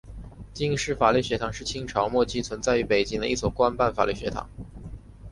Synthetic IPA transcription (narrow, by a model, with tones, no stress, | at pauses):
t͡ɕi˥˧ŋʂɻ̩˥˩fa˨˩ly˥˩ɕɥɛ˧˥t̪ʰɑ˨˩˦ŋʂɻ̩˥˩t͡ɕʰi˥ŋʈ͡ʂʰɑ˧˥ʊmwɔ˥˩t͡ɕʰi˥t͡sʰwə˧˥nt͡sa˥˩ɪy˧˥pe˨˩ɪt͡ɕi˥ŋd̪ə̰˧i˥˩swɔ˨˩kwa˥npa˥˩nfa˨˩ly˥˩ɕɥɛ˧˥t̪ʰɑ̰˨˩˦ŋ